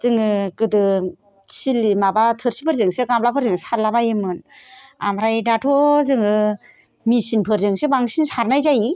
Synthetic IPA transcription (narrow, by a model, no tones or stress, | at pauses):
z̥ɯŋɯkɯdɯ | silimabatʰɯɾsipʰɯɾzɯŋsɯɡamlapʰɯɾzɯŋsaɾlabajɯmɯn | a̰mɾajdatʰɔzɯŋɯ | misinpʰɯɾzɯŋsɯbaŋsinsaɾnajzaji